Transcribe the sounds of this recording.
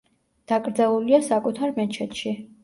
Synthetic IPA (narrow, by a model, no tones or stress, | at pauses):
d̪̥akʼɾd̪zalˠuliasakʼut̪ʰaɾmɛt͡ʃʰɛt̪ʃi